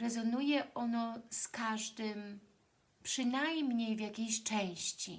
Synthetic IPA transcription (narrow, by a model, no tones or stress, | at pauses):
ɾɛzɔnujɛʔɔnɔskaʐd̪ɘm | pʂɘnajmɲejvjakʲejɕt͡ʂɛ̃j̃ɕt͡ɕḭ